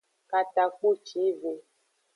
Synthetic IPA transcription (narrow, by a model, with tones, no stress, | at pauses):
ka˨ta˨ku˦t͡ʃi˨˦ve˨